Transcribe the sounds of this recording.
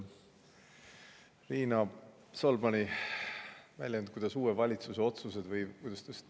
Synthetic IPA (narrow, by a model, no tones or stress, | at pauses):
ɾiːnɑ | solmɑni | væ̰lʲjend̪̚kujd̪ɑsuːwevɑlʲit̪suse̞o̞t̪suse̞d̪̥vɤjkujd̪ɑst̪ust̪